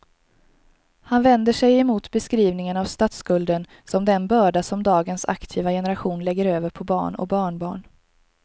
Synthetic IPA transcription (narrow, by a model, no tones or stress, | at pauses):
hanvɛnd̪əʂɛjɛmuːt̪bɛskɾiːvnɪŋənavst̪at̪skɵld̪ən | sɔmd̪ɛnbœːɖasɔmd̪ɑːɡənsa̰kt̪ʰiːvajɛnɛɾaɧuːnlɛɡːəɾøːvəɾpʰɔbɑ̰ːɳɔ̰k̚bɑːɳbɑ̰ːɳ